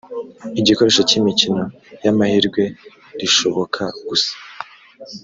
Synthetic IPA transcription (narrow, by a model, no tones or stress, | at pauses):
iɟiko̞ɾe̞ʃocimicino̞ | jamahiɾɡwe̞ | ɾiʃo̞βo̞kʰaɡ̥usḁ